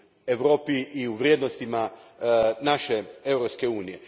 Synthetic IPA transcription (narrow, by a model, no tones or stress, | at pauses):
eʋɾo̞ːpiʔiuʋɾjeːd̪nost̪ima | naʃe̞eʋɾopske̞uːnije̞